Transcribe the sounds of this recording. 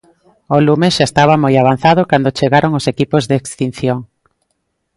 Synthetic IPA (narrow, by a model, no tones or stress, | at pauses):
olumesʃaest̪aβ̞amojaβ̞an̟θaðʊkand̪ot͡ʃeɣaɾoŋosekipozðeekst̪in̟θjoŋ